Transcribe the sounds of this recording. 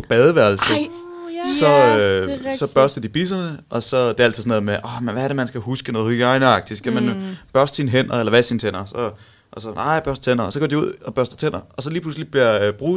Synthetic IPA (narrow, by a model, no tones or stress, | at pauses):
ɒ̽b̥ɛð̞ˠəʋæɐlsə | sɒ̽ | sɒ̽b̥ɶɐsd̥ɐd̥ib̥isɐnəʔɒ̽sɒ̽d̥eæl̰t͡sʰið̩ˠsnðˠmeʔɒmenʋæɐɾe̝mænsɡ̥æhusɡ̥ənɔ̽ːðˠɡɑ̈ɪnɑ̈ɡ̥̚d̥iskʰæmænb̥ɶɐsd̥sinɦen̰ɐelɐʋæsint͡sʰen̰ɐsɒ̽ | ʔɒsɒnʔɑ̰̈ɪ̰b̥ɶɐsd̥ɐ̥t͡sʰen̰ɐɒsɒ̽ɡ̥ɒ̰d̥iuð̞̰ˠɒ̽b̥ɶɐsd̥ɐ̥t͡sʰen̰ɐɒ̽sɒ̽liːpʰluslib̥liɐb̥ʁuː